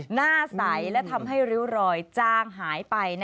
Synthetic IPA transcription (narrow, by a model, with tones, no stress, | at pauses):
naː˥˩sa˩˦jlɛ˦˥t̪ʰa˧mɦa˥˩jɾi˦˥wɾɔː˧jt͡ɕaː˥˩ŋɦaː˩˦jpa˧jn